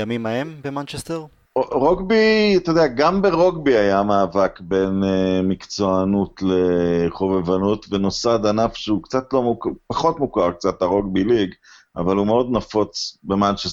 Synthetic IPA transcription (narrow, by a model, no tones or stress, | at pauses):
jamimaembemant͡ʃest̪eʁ | ʁoɡbit̪od̪eaɡambeʁo̞ɡbiajamaːvakbe̞nmikt͡so̞anutleχovevanutveno̞sad̪anafʃeukt͡sat̪lo̞mukpaχo̞tmukaʁk̚t͡sat̪aʁo̞ɡbiliɡ | a̰valumeo̞d̪nafo̞t͡sbemant͡ʃes